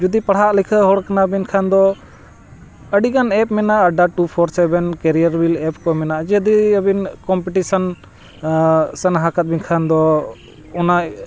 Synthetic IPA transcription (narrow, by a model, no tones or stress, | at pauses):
d͡ʒud̪ipaɽɦaʔlɛkʰəɦɔɽkanabinkʰand̪ɔ | əɖiɡanɛp̚mɛnaʔɖaʈupʰɔɾsɛbɛnkɛɾijəɾbilɛpkɔmɛnaʔd͡ʒɛd̪iəbinkɔmpiʈisɔn | sənaɦakat̪̚binkʰand̪ɔ | ɔnaʔ